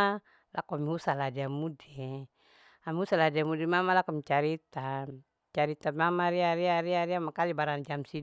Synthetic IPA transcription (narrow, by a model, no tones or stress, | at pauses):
a | lʔakuamiusaladiamude | amiusaladiamudimamalakɔmt͡ʃaɾit̪a | t͡ʃaɾit̪amamaɾiaɾiaɾiaɾiamakalibaɾaŋd͡ʒamsi